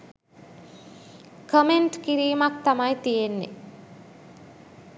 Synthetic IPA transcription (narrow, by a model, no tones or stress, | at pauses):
kəmeɳʈkiɾiːmak̚t̪amajt̪ijenːḛ